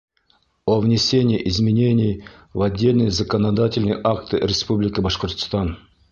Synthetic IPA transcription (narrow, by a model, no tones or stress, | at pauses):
ovnʲɪsʲe̞nʲɪjʔɪzmʲɪnʲe̞nʲɪjvɐdʲːe̞lʲnɨjəzəkənɐd̪atʲɪlʲnɨjʔakt̪ɨɾʲɪspublʲɪkəbɐʂqort̪st̪ɑn